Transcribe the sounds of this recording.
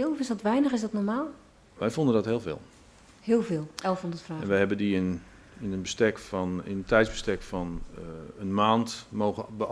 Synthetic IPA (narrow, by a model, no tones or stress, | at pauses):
ɦɪlˠfɪsdɔtʋɛjnəχɪsdɔtnɔɹmaːlˠ | ʋɛjfɔndəndɔtɦhɪːlˠvɪ̰ːlˠ | hɪːlˠveːlˠɛlˠfɔndətfraːɛnnʋɛjɦɛbəndiɪn | ɪnənbəstɛkfɔnɪnəntʰɛjzbəstɛkfɔnənmaːntmowɣəbə